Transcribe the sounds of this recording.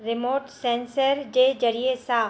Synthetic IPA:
ɾɪmoːʈsɛ̃ːnsəɾd͡ʒed͡ʒɐɾiesaː

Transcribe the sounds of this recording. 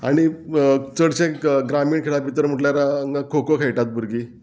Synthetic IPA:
aɽ̃it͡səɽt͡ɕẽɡɾamiːɳkʰeɭapit̪əɾm̤əʈljaɾaəŋɡakʰokokʰejʈat̪̚buɾɡi

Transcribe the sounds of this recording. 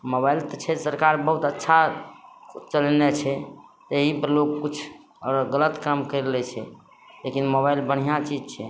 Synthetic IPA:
mobailt̪ɔt͡ʃʰɛsəɾkaɾbəɦut̪ətːʃʰa | t͡ʃəlnɛt͡ʃʰɛt̪eɦipəlokkut͡ʃʰ | ɔɾɡələt̪kɾəmkəɾlɛt͡ʃʰɛ̰ | lekinmoβailbəɽ̤ijat͡ʃid͡ʒt͡ʃʰɛ

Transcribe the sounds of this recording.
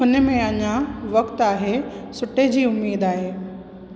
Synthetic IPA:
ɦʊnə̆mẽɐɲãʋɐkt̪aːɦesʊʈed͡ʑiːʊmːiːd̪aːɦeː

